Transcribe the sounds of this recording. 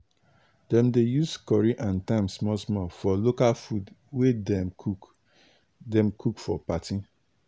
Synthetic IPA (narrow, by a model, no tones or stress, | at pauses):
dɛ̃mdejuskɔɹiʔãntãɪ̃msmɔsmɔfɔlokalfudwedɛu | dɛ̃mkʰukfɔpatĩ